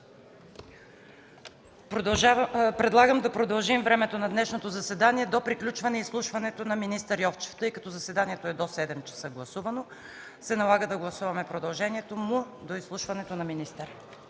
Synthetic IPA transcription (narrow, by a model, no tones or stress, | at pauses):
p̪ | pɾɛd̪lˠaɡəmd̪ɐpɾod̪ɐlˠʒimvɾɛmɛt̪onɐd̪nɛʃnot̪ozɐsɛd̪aniɛd̪opɾiklʲut͡ʃvɐnɛislˠuʃvɐnɛt̪onɐminist̪əɾjɔft͡ʃɛ̥ft̪ɤjkɐt̪ɔzɐsvɛd̪aniɛt̪oɛd̪osɛd̪ɛmt͡ʃɛ̥sɤɡlˠɐsuvɐno | sɛnɐlˠaɡəd̪ɐɡlˠɐsuvɐmɛpɾod̪ɐlˠʒɛniɛt̪omu | d̪oislˠuʃvɐnɛt̪onɐminist̪əɾ